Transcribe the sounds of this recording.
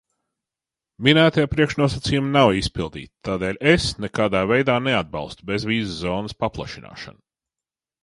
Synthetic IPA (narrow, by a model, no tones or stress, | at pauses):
mʲinæːt̪ajapɾiɛkʃnuɔsat̪siːjumnawispilˠd̪ḭːt̪t̪aːd̪eːlʲesnɛkaːd̪aːvejd̪aːnead̪̚ba̰lˠst̪ubezvʲiːzːɔːnəspaplˠa̰ʃina̰ːʃa̰n